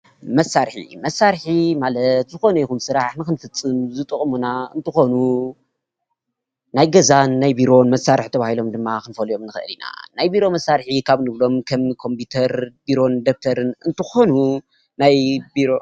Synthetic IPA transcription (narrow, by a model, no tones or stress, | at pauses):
mɐsːaɾħḭmɐsːaɾħimalɐt̪zɨxo̞nɐjikxunsɨɾaħnɨxɨnfɨt͡sʼːɨnuzɨt̪ʼɨkʼmunaɨ̰nt̪ʰɨxo̞nu | najɡɐzanːajbiɾo̞nmɐsaɾɨħt̪ʰɐβahilo̞md̪ɨmːakɨnfɐljo̞mnɨxɨʔɨ̰lina̰najbiɾo̞mɐsːaɾħikʰaβnɨβlo̞mkʰɐmkʰo̞mpʰut̪ʰɐɾbiɾo̞nd̪ok̚t̪ʰɐɾɨnɨnt̪ʰɨxo̞nu | najbiɾo